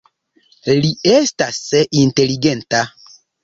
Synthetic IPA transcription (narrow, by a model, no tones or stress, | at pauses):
liestaseʔinteliɡenta